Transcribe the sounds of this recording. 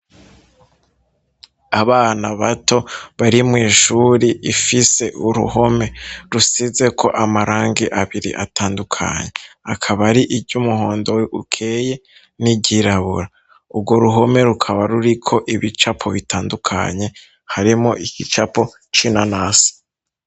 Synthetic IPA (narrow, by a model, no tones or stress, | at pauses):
aβaːnaβatʰo̞βaɾimŋiːʃuɾiʔifise̞ʔuɾṵɦo̞me̞ɾusize̞kʰo̞ʔamaɾaːŋɡiʔaβiɾḭʔa̰taːndukʰa̰ɲe̞akʰaβaɾiʔibɟumuho̞ːndo̞weʔukʰe̞ːje̞ | nibɟiɾaβṵɾa | ubɡo̞ɾuɦo̞me̞ɾukʰaβaɾuɾikʰo̞ʔiβit͡ʃapʰo̞βitaːndukʰa̰ɲe̞ | haɾimoʔicit͡ʃapo̞ | t͡ʃinanaːsi̥